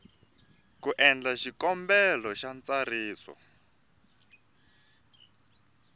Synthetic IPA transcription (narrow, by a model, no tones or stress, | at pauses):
kuʔɛnd͡ɮaʃikɔmbɛlɔʃant͡sariːsɔ̰